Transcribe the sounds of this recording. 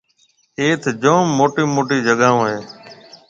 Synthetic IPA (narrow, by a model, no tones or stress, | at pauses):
eːt̪ʰd͡ʒõːmːoːʈiːmoːʈiːd͡ʒəɠaːõːɦeː